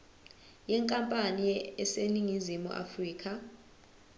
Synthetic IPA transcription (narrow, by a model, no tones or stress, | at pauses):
jɛŋkʼampʼaniɛseniŋizimṵʔa̰friːkʰʼa